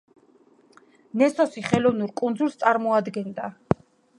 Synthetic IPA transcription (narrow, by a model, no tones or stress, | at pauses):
nɛsɔsiχɛlɔvnuɾkʼund̪zulˠst̪sʼaɾmɔad̪ɡɛnd̪a